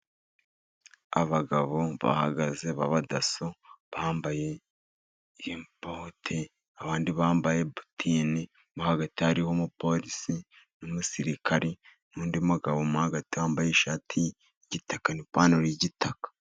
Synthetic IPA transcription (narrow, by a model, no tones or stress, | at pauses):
a̰βaɡaβo̞βa̰ha̰ɡaze̞βaβadasoβaːmbaje̞ | impotʰe | aβaːndiβaːmbaje̞bu̥tʰini | muhaɡatihaɾiho̞mupo̞ɾisi | nomusiɾikʰaɾinuːndimuɡaβo̞muhaɡatihaːmbajeʃaːtʰi | iɟitakanipaːnoɾiɟitakḁ